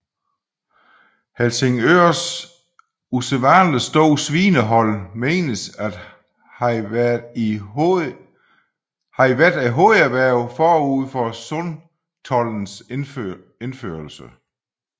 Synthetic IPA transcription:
helseŋøɐ̰s | useʋɑ̈ːnləsd̥ɔʊ̰sʋiːnəɦɒ̽l̰me̝̰ːnəsæ̥ | hɑ̈iʋæɐd̥æɦoæʋæɐ̰ʊfɒːuð̰ˠfɒsɔn | t͡sʰɒ̽ln̩s | enfø̰ɐlsə

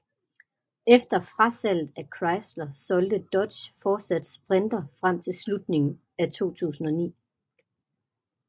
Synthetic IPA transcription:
efd̥ɐfʁasæl̰ð̥̩ækʰʁɑ̈ɪsd̥lɐsɒ̽ld̥əd̥ɒ̽d̥ɕfɒːsæd̥sb̥ʁɛnd̥ɐfʁam̰t͡sʰe̝lslud̥ne̝ŋn̩ | æt͡sʰo̝̰ːt͡sʰṵːsn̩ɒ̽nḭː

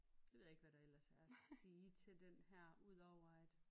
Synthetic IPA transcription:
j̥eʋe̝ð̞̰ˠe̝ɡ̥ʋæɾ̥ɑ̈el̰ɐsæɐ̥siːt͡sʰe̝ld̥enhæɐ̰uð̰ˠɒʊʁɑ̈ɪ̰d̥

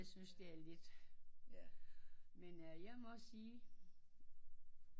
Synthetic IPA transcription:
ɪsynsd̥e̝æɐle̝d̥ | menjɑ̈ɪmɒ̽siː

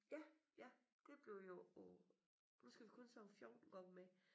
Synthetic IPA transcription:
jæjæd̥e̝b̥le̝ʊjo̝ɔ | nusɡ̥æʋikʰɔ̽nsɒfjɒʊn̥ɡ̥ɒb̥me

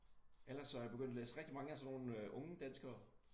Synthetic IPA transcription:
el̰ɐsːɒ̽jab̥eɡ̥øn̰d̥lḛːsəʁɛɡ̥d̥imɑ̈ŋəæsɒno̝ːnøʔɔ̽ŋəd̥ænsɡ̥ɐ

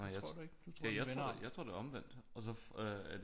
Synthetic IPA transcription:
jdɡ̥jæjaɪt͡sʰo̰jäɪt͡sʰʁo̝̰d̥eɒ̽mʋen̰d̥ɒ̽sɒ̽føæ

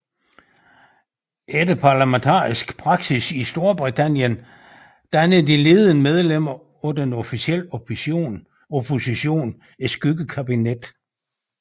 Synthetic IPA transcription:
ʔed̥əpʰɑ̈ːlæment͡sʰɑ̰̈ːisɡ̥pʰʁɑ̈ɡ̥sisisd̥o̝ɐb̥ʁit͡sʰæn̰jən | d̥ænəð̩ˠd̥ile̝ːð̩ˠənəmeð̞ˠlem̰ɐ | ɔdenɔfisiel̰n | opʰo̝siɕo̝̰ːn | e̥sɡ̥yɡ̥əkʰæb̥ined̥

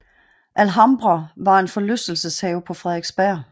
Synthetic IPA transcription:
ʔælɦɑmb̥ʁɑʋɑ̈e̝nfɒ̽løsd̥l̩səshɛːʊpʰɒ̽fʁɛðˠeɡ̥sb̥æɐ̰

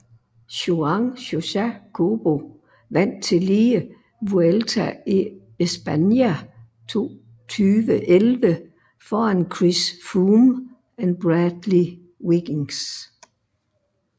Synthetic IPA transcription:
ɕuɑŋɕo̝ɕækʰob̥o̝ | ʋæn̰t͡sʰe̝liːə | ʋuelt͡sʰæi | esb̥ænjæ | t͡sʰo̝̰ː | t͡sʰyːʋəʔelʋə | fɒːænkʰʁisfuːm | ænb̥ʁæd̥li | wiɡ̥iŋs

